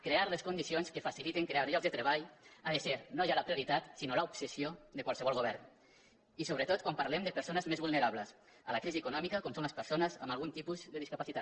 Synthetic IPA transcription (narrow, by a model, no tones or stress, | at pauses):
kɾeaɾləskund̪isionskəfasilit̪eŋkɾeaɾʎɔkzd̪ət̪ɾeβaʎaðəseɾnoʒaləpɾiuɾit̪at̪sinoləupsəsioðəkwalˠsəβɔlˠɣ̞oβ̞ɛɾn | isoβɾət̪ot̪̚kwampaɾlɛmd̪əpəɾsonəzmezβulneɾaβləs | ə̰ləkɾiziekunɔmikəkɔmsõnləspəɾsonəza̰malˠɣunt̪ipuzðəðiskapasit̪at̪